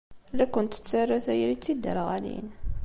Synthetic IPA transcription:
lækːənt̪ə̥t͡sːarːaθæjɾit͡sːid̪ːə̰ɾʁælḭn

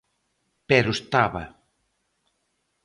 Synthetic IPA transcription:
pɛɾʊst̪aβɐ̰

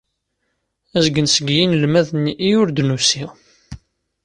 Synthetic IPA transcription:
æzɡənsəɡjinlmæðnʔijʊɾd̪nusi

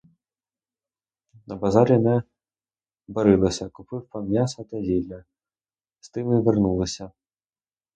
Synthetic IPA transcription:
nɐbazaɾʲinɛ | bɐɾɪlˠɐsʲɐkʊpɪwpɐmʲjasɐt̪ɐzʲilʲːɐ | st̪ɪmɨvʲɛrnulˠɐsʲɐ

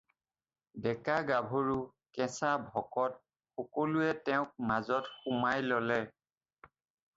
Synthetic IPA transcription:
dɛkaɡabʱoɹu | kɛ̃sabʱɔkɔt | xɔkoluɛtɛʊ̃k̚mazɔtxumajlɔlɛ

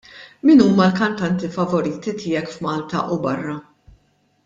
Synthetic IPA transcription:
minuːmɐlkɐnt̪ɐnt̪ifɐvɔɾiːt̪it̪ɪːjɛkfmɐːlt̪ɐ̰ʔubɐrːɐ

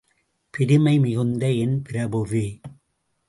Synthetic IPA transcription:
pɪɾɪmɐɪmɪɣɯnd̪ɐɛnpɪɾɐbɯʋi

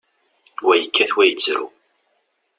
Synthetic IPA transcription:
wæjəkʰːæθwæjət͡sːɾṵ

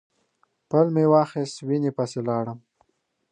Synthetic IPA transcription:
pəlmewɑːxest̪winepaselɑːɽəm

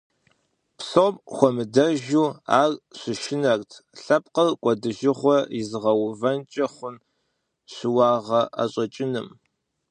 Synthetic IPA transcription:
psopʼxʷɔmɨdɐʒuːa̰ːrɕʷɪʃɪnɐrtʰɬɐp̚ʼqərkʷʼɔdɨʒɪχʷɔjizɨʁɐwvɐnt͡ʃʼɐχʷʊn | ɕɪwɑːʁɐʔa̰ɕʼɐt͡ʃʼɪnɨ̰m

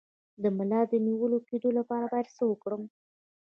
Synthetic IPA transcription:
d̪əmalɑd̪əniwəloked̪olapɑɾabɑjed̪səwəkɽəm

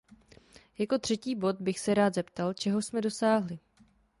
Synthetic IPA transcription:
jako̞t̪r̥ɛciːbo̞t̪bɪxsɛɾaːd̪zɛpt̪alt͡ʃɛɦo̞smɛdo̞saːɦlɪ

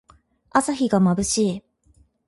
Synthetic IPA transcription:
asaçiɡamabɯ̟ɕiː

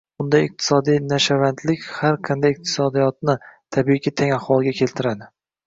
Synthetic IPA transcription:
bʊnd̪ajɪq̚t̪ʰɪ̥sɒd̪ijnaʃavant̪lɪkʲhaɾqʰɨnd̪ajɪq̚t̪ʰɪ̥sɒd̪ijɒt̪̚nɪt̪ʰabikʰʲit̪ʰaŋaχwɒlˠɡʲakʲʰe̞lt̪ʰɪɾad̪ɪ

